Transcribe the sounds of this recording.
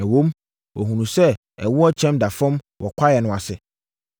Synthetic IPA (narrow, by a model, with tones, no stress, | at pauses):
ɛ˨wõ˦m | wɔ˨ɦũ˨nũ˨sɛ˦ | ɛ̰˨wʊ˦ɔ˦t͡ɕʰɛ̃˦mda˨fɔ̃˦mwɔ˨kʷʰa˦jɛ˨nʊ̃˨a˨sɪ˨